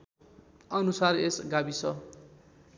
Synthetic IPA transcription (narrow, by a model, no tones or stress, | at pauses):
ʌnusaresɡabisʰʌ